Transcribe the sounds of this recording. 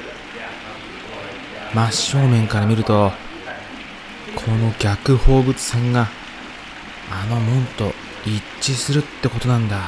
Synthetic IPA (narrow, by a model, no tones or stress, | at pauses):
maɕːo̞ːmẽ̞ŋkaɾamʲiɾɯ̟t̪o̞ | kʰo̞no̞ɡʲakɯ̟ho̞ːbɯ̟t͡sɨ̥sẽŋɡa | no̞mõ̞nt̪o̞ | i | t͡ɕːɕisɨɾɯ̟t̪ːe̞ko̞t̪o̞nãnd̪a